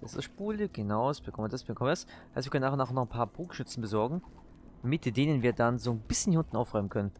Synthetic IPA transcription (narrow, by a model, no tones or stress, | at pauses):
d̥asɪ̰sʃpuːləɡ̥ənaʊsb̥əkɔmdasb̥əkʰɔmvdashaɪstviɐkœnaːxʊnaːxnɔχnpʰaːɐbʁuːkʃʏt͡sn̩bəzɔɐɡŋ̩ | mɪtd̥eːnənviːɐdanzoːnb̥ɪsçəndihʊndn̩ʔaʊfʁ̥ɔʏmənkʰœnən